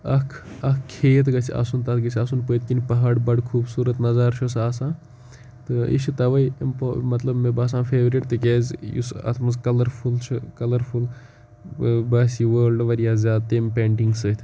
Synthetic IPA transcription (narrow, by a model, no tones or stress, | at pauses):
ɐkʰɐkʰkʰːeːt̪ɡɐt͡sʰiɐ̰sunt̪ɐt̪ɡɐt͡sʰʲasunpəːt̪kinpɐɦaːɖbɐɖkʰuːbsuːɾɐt̪nɐzaːɾʃʰosaːsãː | t̪ɨḭʃit̪ɐʋɐjmpomɐt̪lɐbmebaːs̬ãːnfʰeːʋɾiʈt̪ɨkeːzʲjṵsɐ̰t̪ʰmɐzkɐlɐɾfʰult͡ʃʰɨkɐlɐɾful | bɐːsiʋəːlɖʋɐɾijaːzʲaːd̪̚t̪empeːɳʈiŋɡsɨt̪ʰ